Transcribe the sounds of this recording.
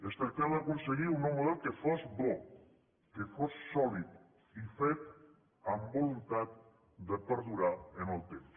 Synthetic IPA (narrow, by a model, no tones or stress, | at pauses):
əst̪əɾkaβaakunseɣiunomoðokəfɔzbɔ | kefosːɔlit̪ | ifet̪ | ambolunt̪at̪̚ | d̪əpəɾðuɾaenəlˠt̪ems